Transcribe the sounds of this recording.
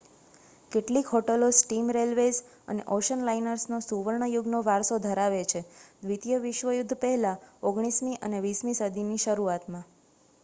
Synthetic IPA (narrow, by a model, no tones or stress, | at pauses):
keʈlikɦoʈəlosʈimɾelʋes | ə̰nḛʔoʃənlainəɾsnosuʋəɾɳəjuɡnoʋaɾsod̪ʱəɾaʋet͡ʃʰed̪ʋit̪jəʋiʃʋəjʊd̪ʱːpɛɦɛlãoɡɽ̃ismiʔə̰neʋismisəd̪ʱiniʃəɾuat̪mã